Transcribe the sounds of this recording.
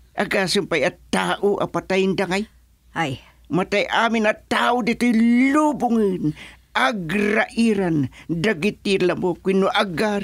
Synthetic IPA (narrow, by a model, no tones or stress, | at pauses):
ʔaɡasʊmpajɐt̪aːʔoʔa̰pat̪ajnd̪aŋaj | aj | mat̪ajʔaːmɪnɐt̪aːʔʊd̪it̪ojlubʊŋɨnʔaɡɾaʔiɾand̪aɡit̪ilamokinoʔaɡa